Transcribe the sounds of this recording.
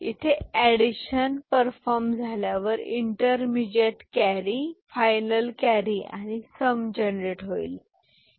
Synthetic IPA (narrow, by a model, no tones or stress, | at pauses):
ḭt̪ʰeeɽiɕənpəɾfɔɾmd͡zʱaljaʋəɾḭɳʈəɾmid͡ʑeʈkæɾifajnəlkæɾia̰ñisəmd͡ʑənɾeʈɦoil